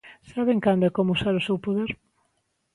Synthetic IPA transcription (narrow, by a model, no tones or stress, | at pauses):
saβeŋkand̪ʊɛkomʊusaɾʊsewpoðeɾ